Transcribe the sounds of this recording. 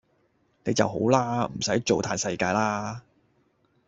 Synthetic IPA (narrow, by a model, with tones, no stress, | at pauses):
ne˨˧jt͡sɐ̰˨wɦo̰˨˥wlaː˥m̩˨˩sɐ˨˥jt͡ʃo˨wt̪ʰaː˧nsɐ˧jkaː˧jlaː˥